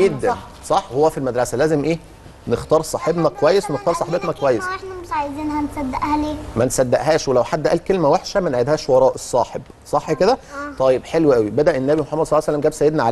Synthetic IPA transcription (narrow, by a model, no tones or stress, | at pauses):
ed̪ːæ | sˤɑħːhowːæfilmæd̪ɾɑsælæːzemʔeː | next̪ɑːɾˤsˤɑħebnækowæjːeswenext̪ɑːɾˤsˤɑħebet̪nækowæjːesnæmeʃʕajziːnhænesæd̪ːeʔhæleːmænsæd̪ːæʔɦæːʃwelæwħad̪ːʔæ̰ːlkelmæweħʃæmænʕed̪hæːʃwɑɾˤɑːʔesˤːɑːħeb | sˤɑħːked̪æt̪ˤɑjːebħelweʔæwibæd̪æʔenːæbimoħɑmːæd̪sˤɑlːsælːæmɡæːbsæjːed̪næʕal